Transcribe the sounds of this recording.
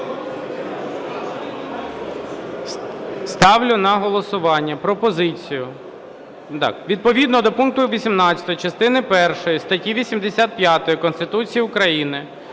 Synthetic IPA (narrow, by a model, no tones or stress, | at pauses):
st̪ɑwlʲʊnɐɦɔlˠɔsʊʋɑnʲːɐpɾɔpɔzɪt͡sʲijʊ | t̪ɑ̰kʋʲid̪̚pɔʋʲid̪nɔd̪ɔpunkt̪ʊʋʲisʲimnɑt͡sʲɐ̥t̪ɔjt͡ʃɐst̪ɪnɪpɛrʃɔjist̪ɐtʲiʋʲisʲimd̪esʲat̪̚pʲjat̪ɔjikɔnst̪ɪt̪ut͡sʲijiʊkɾɐjinɪ